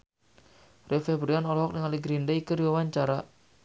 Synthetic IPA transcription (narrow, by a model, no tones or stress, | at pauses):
rʔefebɾianɔlɔɦɔk̚nəŋaliɡɾindaikuɾiwawaɲt͡ʃaɾa